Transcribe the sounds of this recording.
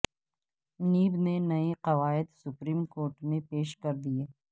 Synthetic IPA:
niːbnenɐeqɐʋaːɪd̪sʊpɾiːmkoːɾʈmẽpeːʃkɐɾd̪ieː

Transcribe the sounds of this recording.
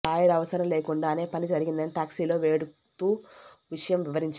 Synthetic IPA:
aːjɐɾɐʋɐsɐɾɐmle̞ːkuɳɖaːne̞ːpɐnid͡ʒɐɾiɡind̪ɐniʈaːksiːlo̞ːʋe̞ːɽu | t̪uːʋiʂɐjɐmʋiʋɐɾiɲt͡ʃ

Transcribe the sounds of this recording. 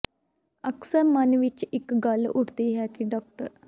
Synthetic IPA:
əksəɾmənʋɪt͡ʃɪkɡəlʊʈʰt̪iɦɛːkiɖɔːk̚ʈə̰ɾ

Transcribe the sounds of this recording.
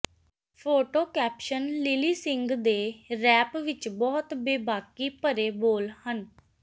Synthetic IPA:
pʰoːʈoːkɛːpʃənlɪliːsɪŋɡd̪eːɾɛːpʋɪt͡ʃbɔːt̪beːbaːkiːpəɾeːboːlhən

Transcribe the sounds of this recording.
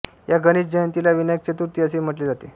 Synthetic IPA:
jaɡəñiːsd͡ʑəjənt̪ilaʋinəjək̚t͡ɕət̪uɾt̪iːəsem̤əʈled͡zat̪e

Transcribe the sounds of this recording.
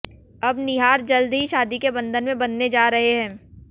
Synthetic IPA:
ɐbnɪɦaːɾd͡ʒɐld̪ʱɦiʃaːd̪ikebɐ̃nd̪ʱənmẽbɐnːed͡ʒaːɾɐɦeɦɛ̃ː

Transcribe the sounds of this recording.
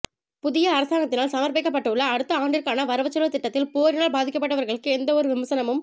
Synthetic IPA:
pʊðɪjɐːɾɐsaːŋɡɐt̪ːɪnaːlsɐmɐɾpɐɪkːɐpːɐʈːɐɯɭːɐːɽɯt̪ːɐaːɳɖɪɾkaːnɐʋɐɾɐʋɐt͡ʃːɐlʋɐt̪ːɪʈːɐt̪ːɪlpoːɾɪnaːlbaːðɪkːɐpːɐʈːɐʋɐɾɣɐɭɯkːɯɛnd̪ɐɔɾɯʋɪmɐsɐnɐmɯm

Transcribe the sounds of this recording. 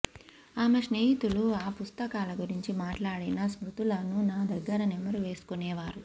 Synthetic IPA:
aːmɐʂneːɦit̪uluaːpust̪ɐkaːlɐɡuɾiɲt͡ʃimaːʈlaːɽɐnɐsmɾut̪ulɐnunaːd̪ɐɡːɐɾɐnɛmɐɾuʋe̞ːsu̥kunɛːʋaːɾu

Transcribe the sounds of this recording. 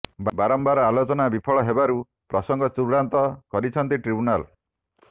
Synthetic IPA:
bbaɾɔmbaɾɔalot͡ʃɔnabipʰɔɭɔɦebaɾu | pɾɔsɔŋɡɔt͡ʃuɾɽant̪ɔkɔɾit͡ʃʰɔnt̪iʈɾibunal

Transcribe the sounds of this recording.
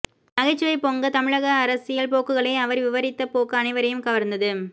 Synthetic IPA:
nɐɣɐɪt͡ʃːɯʋɐɪpoŋɡɐt̪ɐmɪɻɐɣɐːɾɐsɪjɐɭpoːkːɯɣɐɭɐɪɐʋɐɾʋɪʋɐɾɪt̪ːɐpoːkːɐːnɪʋɐɾɐjɯmkɐʋɐɾnd̪ɐðɯ

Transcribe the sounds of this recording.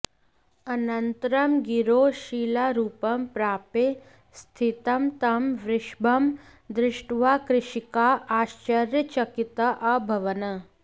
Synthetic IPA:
ɐnɐnt̪ɾɐmɡiɾoːʃiːlaɾuːpɐmpɾaːpe | st̪ʰit̪ɐmt̪ɐmʋɾɪʃbʱɐmd̪ɾɪʂʈʋaːkɾɪʃikaːʔaːʃt͡ʃɐɾjət͡ʃɐkit̪ɐʔɐbʱɐʋɐnɐ

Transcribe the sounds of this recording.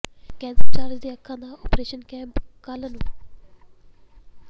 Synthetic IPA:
kɛ̃ːnsəlt͡ɕaːɾd͡ʑd̪eɐkʰːãːnd̪aːɔːpɾeːʃənkɛ̃ːmpkaːlənu

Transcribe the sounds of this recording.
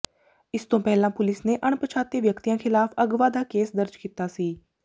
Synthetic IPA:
ɪst̪õːpɛːlãːpʊlɪsneːʔəɳpət͡ʃʰaːt̪ːeːʋjəkt̪ijãːkʰɪlaːpʰəɡʋaːd̪aːkeːsd̪əɾd͡ʒkiːt̪aːsiː

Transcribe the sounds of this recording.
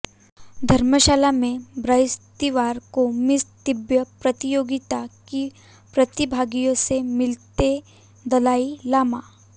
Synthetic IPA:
d̪ʱəɾməɕalamẽbɾajst̪iʋaɾkomist̪ibjəpɾət̪ijoɡit̪aki | pɾət̪ibʱaɡijõsemilt̪e | d̪əlailama

